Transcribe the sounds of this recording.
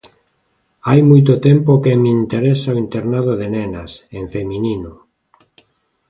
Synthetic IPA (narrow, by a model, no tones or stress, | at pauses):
ajmujt̪ot̪empokemeint̪eɾesaoint̪eɾnaðoð̞enẽnasẽɱfemĩnino